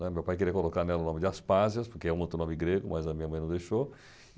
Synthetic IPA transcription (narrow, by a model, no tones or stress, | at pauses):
ɛmewpajk̬eɾiɐkolokaɾnɛlɐʊnõmɪd͡ʒɪaspazjɐspoɾkeɛũot̪ɾʊnõmɪɡɾeɡʊmajzɐmĩɲɐmɐ̃j̪̃ɐ̃w̃d̪ejʃo